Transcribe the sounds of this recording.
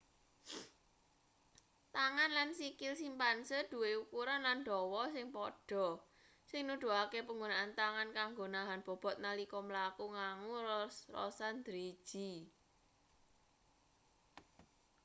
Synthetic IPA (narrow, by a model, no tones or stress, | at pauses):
t̪aŋanlansikɪlsimpansəd̪̥ṳweukuɾanlanɖ̪ɔwɔsɪŋpɔɖ̥ɔ̤ | sɪŋnuɖ̥ṳakepəŋɡonaʔant̪aŋankaŋɡonaɦanb̥ɔ̤b̥ɔ̤t̪̚nalikɔməlakuŋaŋurɔ̰sand̪̥ɾe̥ʒ̥i̤